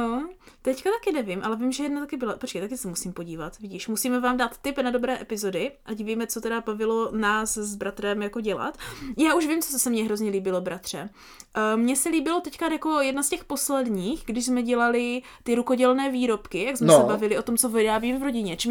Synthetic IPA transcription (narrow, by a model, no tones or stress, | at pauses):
t̪ɛckat̪akɪnɛvɪmʔalɛvɪmʒɛjɛdnat̪akɪbɪlapot͡ʃkejt̪akɪsɛmusiːmpo̞ɟiːvat̪vɪɟiːʃmusiːmɛvaːmdaːt̪ːɪpnado̞bɾɛːʔɛpɪzo̞dɪʔaɟviːmɛt͡sot̪ɛdabavɪlo̞naːszbɾat̪ɾɛmjako̞ɟɛla̰t̪jaːuʃvɪmt͡sossɛmɲɛɦɾo̞zɲɛliːbɪlo̞bɾat̪r̥ɛ | ʔmɲɛsɛliːbɪlot̪ɛckajako̞jɛdnascɛxposlɛdɲiːxɡdɪʃzmɛɟɛlalɪ | t̪ɪɾukoɟɛlnɛːviːɾo̞pkɪjaɡsmɛsɛbavɪlɪo̞t̪omt͡sovɪɾaːbiːmvɾo̞ɟɪɲɛt͡ʃɛ